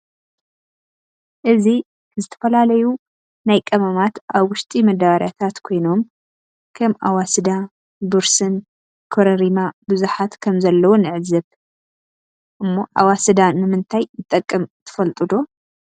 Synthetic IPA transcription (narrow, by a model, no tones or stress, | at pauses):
ʔɨzi | zɨt̪ʰɐ̥fɐlalɐju | najkʼɐmɐmat̪ʔaβwʊʃt̪ʼimɐd̪aβaɾjat̪ʰat̪kʰo̞jno̞m | kʰɐmʔa̰wasɨd̪a | bɨɾsɨn | kʰoɾɐɾimabɨzuħat̪kʰɐmzɐlːɐwonɨʕɨzɐβ | ʔɨmːo̞ʔa̰wasɨd̪anɨmɨnt̪ʰajnɨt̪ʼːɐkʼːɐmt̪ʰɐ̥fɐlt̪ʼɨd̪o̞